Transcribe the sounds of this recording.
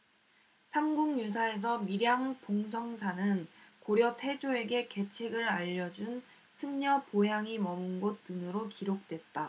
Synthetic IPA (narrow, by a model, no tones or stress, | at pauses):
sʰamɡuŋjus̬ʰae̞s̬ʰʌmiɾjaŋpoŋs̬ʰʌŋsʰanɯnkoɾjʌtʰe̞d͡ʑʰoe̞ɡe̞ke̞t͡ɕʰeɡɯɾaʎːʌd͡ʑun | sʰɯmɲʌpojaŋimʌmɯnɡot͈ɯnɯɾokiɾok̚t͈we̞t̚t͈a